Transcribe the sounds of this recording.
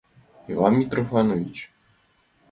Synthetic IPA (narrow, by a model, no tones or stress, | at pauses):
ivanmʲit̪ɾɔfanɔvʲit͡ɕ